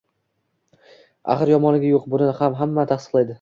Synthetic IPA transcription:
a̰χɨɾjɒmɒnɪɡʲajoqbʊnɪɪhamɦamːat̪ʰaχsɨ̥qlˠajd̪ɪ

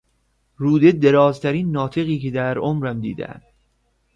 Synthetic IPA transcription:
ɾuːd̪ed̪e̞ɾɒːzt̪ʰæɾiːnːɒːt̪ʰe̞ɣiːced̪æɾomɾæmd̪ḭːd̪æ̰æ̰nd̪̥

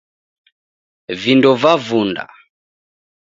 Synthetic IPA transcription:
vindɔvavunda̰

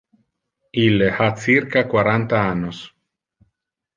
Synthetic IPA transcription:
ilehasiɾkakwaɾant̪aanos

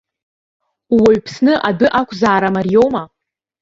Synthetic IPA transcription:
waɥpʰsnɨʔadɨʔakʷʰʼzaːɾamarijo̞wma

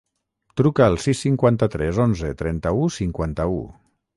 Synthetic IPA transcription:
t̪ɾukəːlˠsisːiŋkwant̪ət̪ɾɛzonzət̪ɾɛnt̪əusiŋkwant̪əṵ

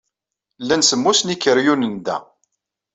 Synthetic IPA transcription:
lːænsəmːusnikːəɾjunənd̪æ̰

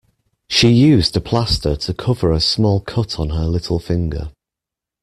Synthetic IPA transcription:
ʃijʉːzdəpʰl̥astətʰəkʰʊvəɹəsmɔːlˠkʰʊtʰn̩əlɪtʰˡl̩ˠfɪ̃ŋɡə̰

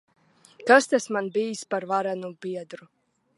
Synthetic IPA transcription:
kast̪asmanbiːspaɾvaɾanubiɛd̪ɾu

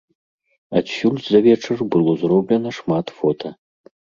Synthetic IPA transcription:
atfʲultzɐvʲeʈ͡ʂʰɨrbɨlˠozroblʲenɐʂmat̪fot̪ʰɐ

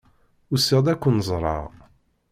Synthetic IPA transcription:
ʊsːɪʁd̪ækʷːənəzˤɾˤɑ̰ʁ

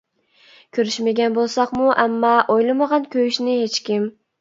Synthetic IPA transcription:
kʲʰøɾyʃmaɡʲanbolˠsɑqmʊʔamːɑʔojlˠamɑʁɑnkʲʰøjyʃnɪhet͡ʃkʲɪm

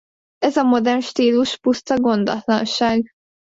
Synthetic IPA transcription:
ɛzɒmo̞d̪ɛrnʃt̪iːluʃpust̪ɒɡo̞nd̪ɒ̰t̪lɒ̰nʃaːɡ

